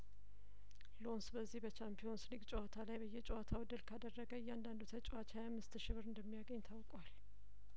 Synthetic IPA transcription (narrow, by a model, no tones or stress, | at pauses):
lo̞nsbəzːihbət͡ʃʰampʰijo̞nsliɡt͡ʃʼowat̪ʰalajbəjːɛt͡ʃʼowat̪ʰawɨd̪ːɨlkʰad̪ərːəɡəjːand̪and̪ut̪ʰət͡ʃʼowat͡ʃʰhajamːɨst̪ʃɪβɨɾɨnd̪əmːijaɡəɲːt̪ʰawkʼwal